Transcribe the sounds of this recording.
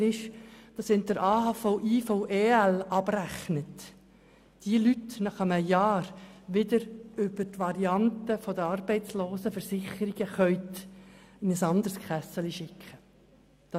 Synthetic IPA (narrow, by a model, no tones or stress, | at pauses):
ɪʃd̥ɑshɪnt̚d̥əɾʔɑːhɑfɔʊʔiːfoʊʔeːælʔɑb̥ræχnət | d̥iəlytnɑχəməjɑːɾʋɪd̪əɾʏbəɾtʋɑɾiɑntəfɔdəɑrbɛɪtt͡sloːsəfəɾsɪχəɾiɡəχœʏt̪ | ɪnəsɑnd̪əɾskχæsəliʃɪkχə | d̥ɑ